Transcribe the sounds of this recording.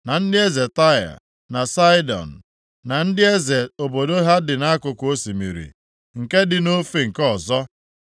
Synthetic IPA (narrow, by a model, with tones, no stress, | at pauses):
na˨n̩˦dɪ˦e˦ze˨ta˦a̰˨ | na˨sa˦ɪ˦dɔ̰˨n̩˨ | na˨n̩˦dɪ˦e˦ze˨o˨bo˨do˦ɦa˦dɪ˨na˦kʊ˨kʷo˦si˨mḭ˨ɾḭ˨ | ŋ̩˨ke˦dɪ˨no˦fi˨ŋ̩˨kɔ˨zɔ˦